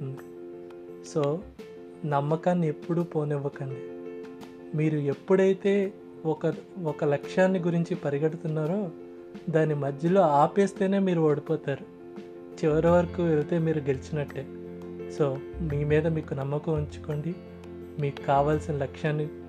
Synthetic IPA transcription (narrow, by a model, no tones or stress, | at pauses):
soː | nɐmːɐkaːnːie̞pːuɽupo̞ːnɛʋːɐkɐɳɖi | miːɾue̞pːuɽɐjt̪e̞ː | ɔkɐɔkɐlɐkʂaːnːiɡuɾiɲt͡ʃipɐɾiɡɐɽut̪unːaːɾo̞ː | d̪aːnːimɐd̪jɐloːaːpe̞ːst̪e̞ːne̞ːmiːɾuoːɽipɔːt̪aːɾu | t͡ʃiʋɐɾɐʋɐɾɐkuelit̪e̞ːmiːɾuɡe̞lit͡ʃinɐʈːeː | so̞ːmiːmiːd̪ɐmiːkunɐmːɐkuuɲt͡ʃu̥koɳɖi | miːkukaːʋaːlsinɐlɐkʂaːnːi